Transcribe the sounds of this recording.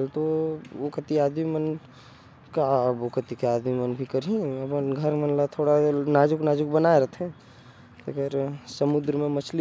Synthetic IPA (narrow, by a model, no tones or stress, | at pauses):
lt̪ookət̪iaːd̪mimən | kabokət̪ikeaːd̪mimənbʱikəɾɦĩɐbənɡʱɐɾmənlat̪ʰoːɽanaːd͡ʒʊknaːd͡ʒʊkbənaeɾɐt̪ʰɛ̃ | t̪ɐɡəɾsəmʊd̪ɾmẽmɐt͡ʃʰli